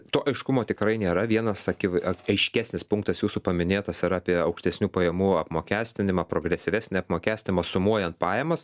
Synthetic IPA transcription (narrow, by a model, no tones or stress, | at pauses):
t̪oːʔɐɪʃkʊmoːt̪ʲɪkɾɐɪnʲeːɾɐʋʲiɛnɐsɐkʲɪʋɐɐɪʃʲkʲæːsʲnʲɪspʊŋkt̪ɐsjuːsuːpɐmʲɪnʲeːt̪ɐsɪɾɑːpʲiɛɐʊkʃʲt̪ʲɛsʲnʲuːpɐjɛmuːɐpmoːkʲæːsʲt̪ʲɪnʲɪmɐːpɾoːɡɾʲɛsʲɪʋʲæːsʲnʲɪɐpmoːkʲæːsʲt̪ʲɪnʲɪmɐsʊmuɔjɛnt̪pɑːjɛmɐs